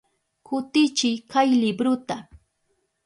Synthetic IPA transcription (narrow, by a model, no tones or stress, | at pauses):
kʰʊt̪ɪt͡ʃɪjkajlɪbɾʊt̪a